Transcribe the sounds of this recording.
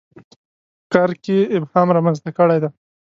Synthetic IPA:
kɑɾkeɪbhɑmɾɑmanzt̪akəɽajd̪a

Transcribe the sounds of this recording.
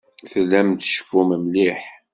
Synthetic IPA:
θəlːæmt̪ʃə̥fuməmliħ

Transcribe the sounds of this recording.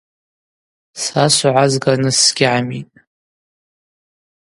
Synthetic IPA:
sasʷʕʷazɡanɨsɡʲɪʕamitʼ

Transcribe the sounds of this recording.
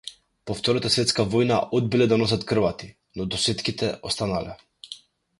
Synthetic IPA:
pɔft̪ɔɾat̪asvɛt̪skavɔjna̰ʔɔd̪̚bilɛd̪anɔs̬at̪kr̩vat̪i | nɔd̪ɔsɛt̪kit̪ɛʔɔst̪analɛ

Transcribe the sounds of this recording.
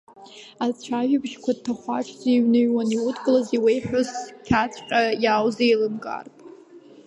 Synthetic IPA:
at͡ɕʷʰaʒᶣabʒkʷad̚tʰaχʷaʈ͡ʂʰzaiɥnɨɥwaniwʊtʰɡʼɨlaziwejħʷᶣʊskʲʰat͡sʷʰqʲʼajawzejlɨmkʼa̰rtʼ

